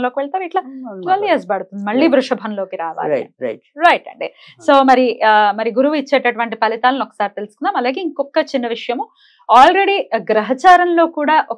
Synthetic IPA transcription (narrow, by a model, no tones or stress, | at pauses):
lo̞ːkiʋɛɭt̪aːʋiʈlaːtʋɐlːieːs̬baːɽut̪und̪imɐɭːiːbɾuʂɐbʱɐnlo̞ːkiɾaːʋa̰ːɾḭɾɐ̰ʈɾɐjʈɐ̰ɳɖḭ | so̞ːmɐɾimɐɾiɡuɾuʋuit͡ʃːe̞ːʈɐʈuʋɐɳʈ̬ipɐlit̪aːlunɔkːɐ̥saːɾit̪elusu̥kunːaːmɐlaːɡeːiŋkɔkːɐt͡ʃinːɐʋiʂɐjɐm | aːlɾe̞ɽiɡɾɐɦɐt͡ʃaːɾɐnlo̞ːkuːɽaːʔɔ